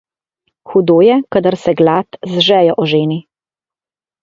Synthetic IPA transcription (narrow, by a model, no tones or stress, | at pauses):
xud̪oːjɛkad̪əɾsɛɡlaːt̪zʒɛːjɔʔɔʒeːni